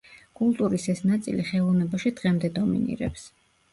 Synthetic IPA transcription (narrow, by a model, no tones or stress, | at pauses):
kʼulˠt̪ʼuɾisɛsnat̪sʼḭliχɛlˠɔvnɛbaʃid̪̥ʁɛmd̪ɛd̪ɔmḭnḭɾɛ̰ps